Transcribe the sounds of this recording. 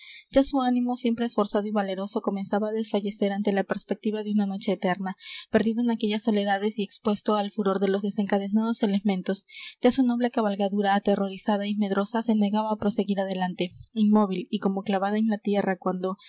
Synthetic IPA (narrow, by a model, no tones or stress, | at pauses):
d͡ʒasuanĩmo̞sje̞mpɾe̞ːsfo̞ɾsað̞o̞iβale̞ɾo̞so̞ko̞me̞nsaβaːðesfaʝe̞se̞ɾant̪e̞lape̞ɾspe̞k̚t̪iβaðeunano̞t͡ʃe̞ːt̪e̞ɾnape̞ɾðiðoenake̞ʝasːo̞le̞ðaðe̞sie̞kspwe̞st̪o̞alfuɾo̞ɾðe̞lo̞zðe̞se̞ŋkaðe̞nað̞o̞se̞le̞mẽ̞nt̪o̞sɟ͡ʝasuno̞βlekaβalɣaðuɾaːt̪e̞ro̞ɾisaðaime̞ðɾo̞sase̞ne̞ɣaβaːpɾo̞se̞ɣiɾaðe̞lant̪e̞inmo̞βiliko̞mo̞klaβað̞aenlat̪je̞rakwand̪o̞